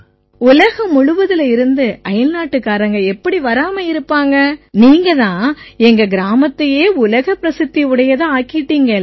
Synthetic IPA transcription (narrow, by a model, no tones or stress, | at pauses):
ʊlɐɣɐmʊɻʊʋɐðɪlɪɾɯnd̪ɯʔɐjɐlnaːʈːɯkːaːɾɐŋɡɐɛpːɐɽiʋɐɾaːmɐɪɾɯpːaːŋɡɐniːŋɡɐðãːɛŋɡɐɡɪɾaːmɐt̪ːɐjeːʊlɐɣɐpːɪɾɐsɯt̪ːiɯɽɐjɐðãːaːkɪʈːiːŋɡɐ